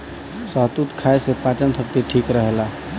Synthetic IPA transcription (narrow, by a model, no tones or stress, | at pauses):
səɦt̪ut̪kʰaesepat͡ʃənsʰək̚t̪iʈʰiːkɾəɦela